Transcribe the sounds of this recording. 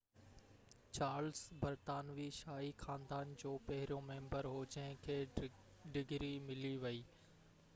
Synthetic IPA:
t͡ɕaːɾlsbɐɾt̪aːnʋiʃaːixãːnd̪aːnd͡ʑoːpɐɦɪɾijõmẽːmbəɾɦoːd͡ʑɐ̃ɦkʰeː | ɖɪɡɾimɪliʋɐiː

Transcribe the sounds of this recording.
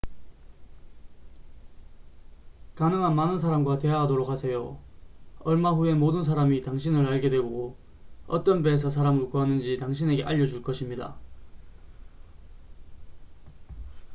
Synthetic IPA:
kanɯŋɦanmanɯnsʰaɾamɡwate̞aɦadoɾok̚hasʰe̞jo | ʌɭmaɸue̞modɯns̬ʰaɾamitaŋɕʰinɯɾaɭɡe̞dwe̞ɡo | ʌt͈ʌnbeːs̬ʰʌsʰaɾamɯɭkuanɯnd͡ʑitaŋɕʰine̞ɡe̞ʔaʎːʌd͡ʑuɭk͈ʌɕʰimɲida̰

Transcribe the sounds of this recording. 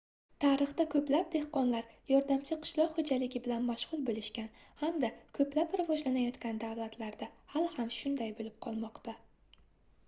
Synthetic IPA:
t̪ʰaɾɨχt̪akʰɵplap̚d̪e̞hqɒnlaɾjɒɾd̪amt͡ʃʰɪqʰɨ̥ʃlˠɒqhod͡ʒalɪɡʲɪbɪlanmaʃʁ̥ʊlˠbolɪʃkʲanhamd̪akʰɵplapɾavɒʒlanajɒt̪kʲand̪awlat̪laɾd̪ahalhamʃʊnd̪ajbolɪp̚qʰɒlˠmɒqt̪a

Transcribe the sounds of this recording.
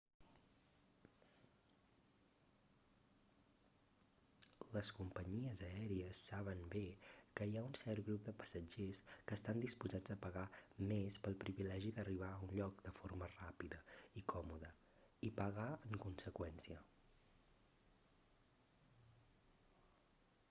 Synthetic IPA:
ləskumpəɲiəzəɛɾiəsːaβənbekəjaunsɛrɡɾup̚d̪əpə̥səd͡ʒeskəːst̪and̪ispuzad͡zəpəɣamespəlˠpɾiβilɛʒiðəriβ̞aunʎɔk̚d̪əfoɾmərapiðəikʰɔmuðə | ipəɣaəŋkunsəkwɛnsiə

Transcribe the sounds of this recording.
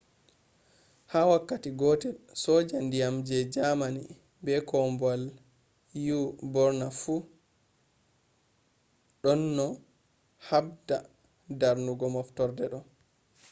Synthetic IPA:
hawakːatiɡɔtɛlsɔːd͡ʒandijamd͡ʒɛd͡ʒamanḭ | bɛkɔmbal | jubɔɾnafu | ɗɔnːɔ | hab̚da | daɾnuɡɔmɔftɔɾdɛɗɔ

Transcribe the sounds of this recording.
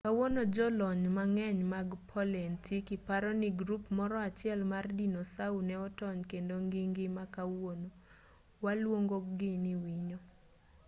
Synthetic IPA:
kawonod͡ʒɔlɔɲmaŋɛɲmaɡpʰɔlɛntʰikɪpaɾɔnɪɡɾupmɔɾɔat͡ʃɪɛlmardinosaunɛɔtɔɲkendoŋɡiŋɡɪmakawono | walwoŋɡoɡɪnɪwiɲo

